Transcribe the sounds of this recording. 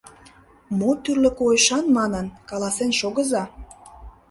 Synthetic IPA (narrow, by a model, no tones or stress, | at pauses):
mot̪yrlə̆kojeʃɑnmɑnənkɑlɑsenʃoɣəzɑ